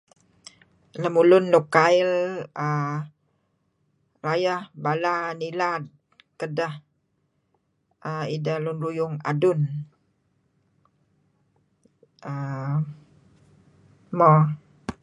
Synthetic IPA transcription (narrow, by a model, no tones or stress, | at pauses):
ləmulʊnːokaɪlə | rajəhbalanilad̚ | kədəh | ʔəidəlʊnrujʊŋa̰dʊn | ə | mɔ